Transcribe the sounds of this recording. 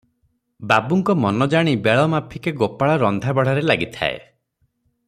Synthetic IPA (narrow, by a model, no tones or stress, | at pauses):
babuŋkɔmɔnɔd͡ʒaɽ̃ibeɭɔmapʰikeɡopaɭɔɾɔnd̪ʱabɔɽ̤aɾelaɡit̪ʰa̰ḛ